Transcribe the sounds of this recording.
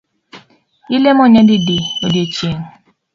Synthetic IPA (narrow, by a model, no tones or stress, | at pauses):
ilemoɲedɪdiodet͡ʃeŋ